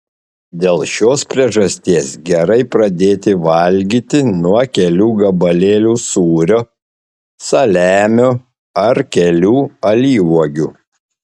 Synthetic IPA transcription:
d̪ʲeːlˠʃʲoːspʲɾʲiɛʒɐsʲt̪ʲiːsɡʲɛɾɐɪpɾɐd̪ʲeːt̪ʲɪʋɐlʲɡʲiːt̪ʲɪnuɔkʲɛlʲuːɡɐbɐlʲeːlʲuːsuːɾʲoː | sɐlʲæːmʲoː | ɐɾkʲɛlʲuːɐlʲiːʋuɔɡʲuː

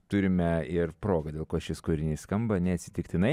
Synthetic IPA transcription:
t̪ʊɾʲɪmʲɛɪrpɾoːɡɐd̪ʲeːlˠkoːʃʲɪskoːɾʲɪnʲiːskɐmbɐnʲɛɐt̪sʲɪ̥t̪ʲɪkt̪ʲɪnɐɪ

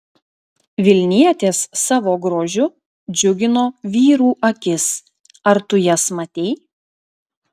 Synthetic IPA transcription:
ʋʲɪlʲnʲiɛt̪ʲeːsːɑːʋoːɡɾoːʒʲʊ | d͡ʒʲʊɡʲɪnoːʋʲiːɾuːʔɐkʲɪs | ɐɾt̪ʊjɛsmɐt̪ʲɛɪ

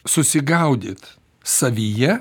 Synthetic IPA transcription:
sʊsʲɪɡɐʊd̪ʲḛːt̪ | sɐʋʲijɛ

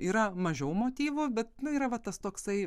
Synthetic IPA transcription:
iːɾɐmɐʒʲɛʊmoːt̪ʲiːʋʊbʲɛt̪nʊiːɾɐʋɐt̪ɐst̪oːksɐɪ

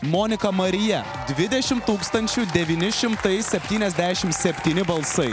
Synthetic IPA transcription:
mɔnʲɪkɐmɐɾʲɪjɛ | d̪ʲʋʲɪd̪ʲɛʃʲɪmt̪uːkst̪ɐnʲt͡ʃʲud̪ʲɛʋʲiːnʲɪʃʲɪmt̪ɐɪsʲɛpʲt̪ʲiːnʲɛzʲd̪ʲæːʃʲɪmsʲɛpʲt̪ʲiːnʲɪbɐlˠsɐɪ

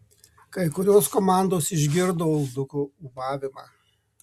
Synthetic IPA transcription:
kɐɪkʊɾʲoːskɔmɑˑnd̪oːsɪʒʲɡʲɪɾd̪oːʊlˠd̪ʊkuːʊʋɑːʋʲɪmɑ̰ː

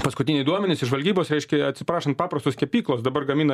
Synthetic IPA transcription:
pɐskʊt̪ʲɪnʲɛɪd̪uɔmʲɛnʲɪsɪʒʋɐlʲɡʲiːboːsɾɛɪʃʲkʲɛɐt̪ʲsʲɪpɾɑːʃɐnt̪pɑːpɾɐst̪oːsʲkʲɛpʲiːklˠoːsd̪ɐbɐrɡɐmʲiːnɐ

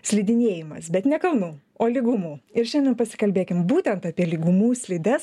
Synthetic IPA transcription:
sʲlʲɪd̪ʲɪnʲeːjɪmɐsbʲɛt̪nʲɛkɐlˠnuː | oːlʲɪɡʊmuːɪɾʃʲɛndʲɛnpɐsʲɪ̥kɐlʲbʲeːkʲɪmbuːt̪ʲɛnt̪ɐpʲiɛlʲɪɡumuːsʲlʲɪd̪ɛs

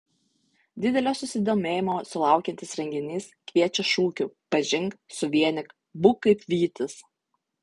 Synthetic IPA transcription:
d̪ʲɪd̪ʲɛlʲoːsʊsʲɪd̪oːmʲeːjɪmoːsʊlˠɑˑʊkʲɛnʲt̪ʲɪsɾʲɛŋʲɡʲɪnʲiːskʋʲiɛt͡ʃʲɛʃuːkʲupɐʒʲɪŋksʊʋʲiɛnʲɪk | bʊkɐɪpʲʋʲiːt̪ʲɪs

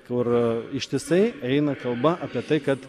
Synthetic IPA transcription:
kʊɾɪʃʲt̪ʲɪsɐɪɛɪnɐkɐlˠbɐʔɑpʲiɛt̪ɐɪkɐt̪

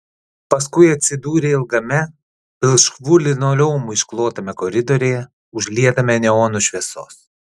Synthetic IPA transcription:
pɐskʊɪɐt̪ʲsʲɪd̪uːɾʲeːɪlˠɡɐmʲɛ | pʲɪlˠʃkʋʊlʲɪnoːlʲɛʊmʊɪʃklˠoːt̪ɐmʲɛkɔɾʲɪd̪ɔɾʲeːjɛ | ʊʒʲlʲiɛt̪ɐmʲɛnʲɛoːnʊʃʲʋʲiɛso̰ːs

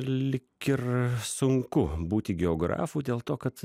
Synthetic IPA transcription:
lʲɪkɪɾsʊŋkʊbuːt̪ʲɪɡʲɛoːɡɾɑ̰ːfuːd̪ʲeːlˠt̪oːkɐt̪

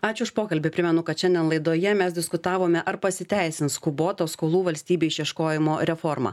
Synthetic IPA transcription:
ɑːt͡ʃʲʊʊʃpoːkɐlʲbʲɪpʲɾʲɪmʲɛnʊkɐt̪ʃʲɛnʲd̪ʲɛnlˠɐɪd̪oːjɛmʲɛsd̪ʲɪskʊt̪ɑːʋoːmʲɛʔɐɾpɐsʲɪt̪ʲæɪsʲɪnskʊboːt̪oːskoːlˠuːʋɐlʲsʲt̪ʲiːbʲeːɪʃʲjiɛʃkoːjɪmoːɾʲɛfɔɾmɑ̰ː

